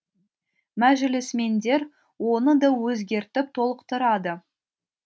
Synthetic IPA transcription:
mæʒɪlɪsme̞nd̪e̞ɾ | wo̞nəd̪ɑwɵzɡʲe̞ɾt̪ɪp̚t̪ʰo̞lˠəqt̪əɾɑd̪ə

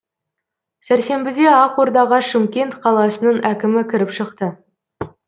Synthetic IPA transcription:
sæɾse̞mbɪd̪e̞ɑqwo̞ɾd̪ɑʁɑʃɪmkʲe̞nt̪qʰɑlˠɑsənəɴækʲɪmɪkʲʰɪɾɪpʃəqt̪ə

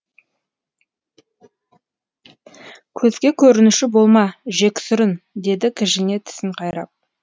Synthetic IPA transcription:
kʲʰɵzɡʲe̞kʲʰɵɾɪnɪʃɪbo̞lˠmɑʒe̞kʲsʏɾɪnd̪e̞d̪ɪkʲʰɪʒɪne̞t̪ʰɪ̥sɪɴqʰɑjɾɑ̰p̚

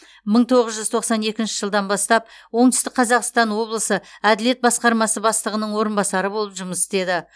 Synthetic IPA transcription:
məɴt̪ʰo̞ʁəzʒʏzt̪ʰo̞qsɑne̞kʲɪnʃɪʒəlˠd̪ɑnbɑst̪ɑp̚wo̞ɴt̪ʏst̪ɪk̚qʰɑzɑqst̪ɑnwo̞blˠəsəæd̪ɪle̞t̪̚bɑsqɑɾmɑsəbɑslˠəʁənəɴwo̞ɾənbɑsɑɾəbolˠəpʒʊməsɪ̥st̪e̞d̪ɪ

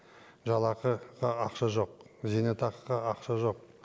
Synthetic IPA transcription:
ʒɑlˠɑqəqɑɑqʃɑʒo̞q̚zinet̪ʰɑqqɑɑqʃɑʒo̞q̚

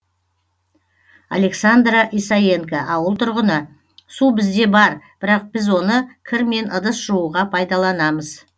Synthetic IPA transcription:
a̰le̞ksand̪ɾaʔijsaje̞ŋkaʔɑwəlˠt̪ʰʊɾʁənə | subɪzd̪e̞bɑɾb̥ɪɾɑq̚b̥ɪzwo̞nəkʲʰɪɾme̞nʔəd̪əsʒ̥uuʁɑpʰɑjd̪ɑlˠɑnɑməz̥

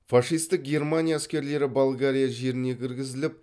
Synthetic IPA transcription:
fɑʂijst̪ɪk̚ɡʲe̞rmanʲijaːskʲe̞ɾle̞ɾɪbolˠɡaɾʲijaʒe̞ɾɪne̞kʲʰɪɾɡʲɪzɪlɪp̚

